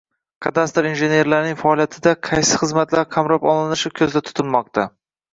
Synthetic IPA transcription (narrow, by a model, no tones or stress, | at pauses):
kʰɑt̪ast̪ɾinʒe̞ne̞ɾlaɾnɪŋfaɒlˠijat̪ʰɪd̪aqʰɑjsɪχɨzmat̪laɾqʰamɾɒpɒlˠɪnɪʃɪkʲʰɵzd̪at̪ʰʊ̥t̪ʰɪlˠmɒq̚t̪ʰa